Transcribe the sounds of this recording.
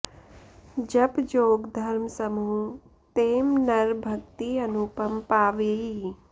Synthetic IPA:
d͡ʒɐbd͡ʒoːɡd̪ʱɐɾmsɐmuː | t̪eːmnɐɾbʱɐk̚t̪iɐnupɐmpaːʋei

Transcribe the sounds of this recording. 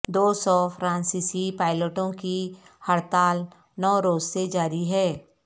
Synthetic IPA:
d̪oːsɔfʰɾãːnsiːsipaːɪləʈõkihəɾt̪aːl | nɔːɾoːzsed͡ʒaːɾiɦɛː

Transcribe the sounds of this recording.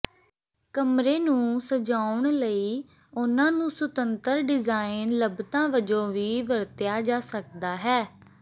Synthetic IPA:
kəmɾeːnũːsəd͡ʒaːʊɳləiː | ʊnãːnũːsʊt̪ənt̪əɾɖɪzaːɪnləbt̪ãːʋəd͡ʒõːʋiːʋəɾt̪ɪjaːd͡ʒaːsək̚d̪aːɦɛː

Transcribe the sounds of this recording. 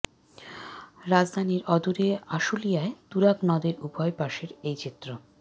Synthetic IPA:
ɾad͡ʑd̪ʱaniɾɔd̪uɾeaʃulijaet̪uɾaknɔd̪eɾubʱɔepaʃeɾejt͡ɕit̪ːɾo

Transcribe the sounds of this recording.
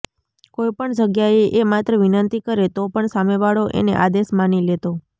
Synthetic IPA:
kojpəɳd͡ʒəɡjaeʔemat̪ɾəʋinənt̪ikəɾet̪opəɳsameʋaɭoʔḛnḛʔad̪esmanilet̪o

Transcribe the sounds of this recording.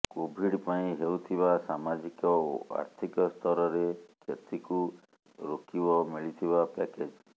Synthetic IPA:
kobʱiɽpaĩɦewt̪ʰibasamad͡ʒikɔo̰a̰ɾt̪ʰikɔst̪ʰɔɾɔɾekʰet̪ʰiku | ɾokibɔmiɭit̪ʰibapɛked͡ʒ

